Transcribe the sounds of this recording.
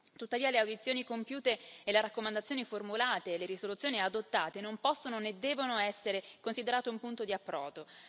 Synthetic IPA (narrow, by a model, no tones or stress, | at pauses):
t̪ut̪ːaviːaleawd̪it̪sːjoːnikompjuːt̪eːleɾakːomand̪at̪sjoniformulaːt̪eːleɾisolut̪sːjoːniad̪ot̪ːaːt̪enompɔsːononed̪ːɛːvonoɛsːeɾekonsid̪eɾaːt̪eumpunt̪od̪iapːɾɔːd̪o